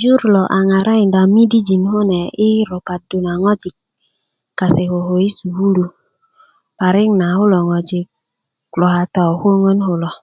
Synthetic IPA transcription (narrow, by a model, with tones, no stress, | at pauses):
d͡ʒu˦ɾlɔ˨ʔa˨ŋa˨ɾa˦i˨nda˨mi˦di˦d͡ʒi˨nho˦nɛ˨i˦ɾo˨pa˨t̚du˨na˨ŋɔ˦d͡ʒi˨k̚ | kːa˨se˨ko˨ɦo˨i˦su˨hu˦lu˧ | pa˨ɾi˦ŋna˨ho˦lɔ˨ŋɔ˨d͡ʒi˨ | klɔ˨ha˨ta˨ho˦ŋɔ˦nho˨lɔ˨